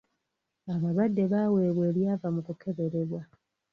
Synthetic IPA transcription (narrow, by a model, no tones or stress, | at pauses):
aβaβadːe̞βaːwe̞ːβwe̞ːljaːvamukukʰe̞βe̞ɾe̞βwa